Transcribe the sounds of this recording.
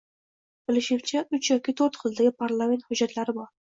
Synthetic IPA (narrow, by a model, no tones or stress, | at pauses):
b̥ɪlɪʃɪwt͡ʃʰaʊt͡ʃʰjɒkʲʰɪt̪ʰoɾt̪qʰɨlˠd̪aɡʲɪpʰaɾlˠame̞nt̪hʊd͡ʒːat̪laɾɪbɒɾ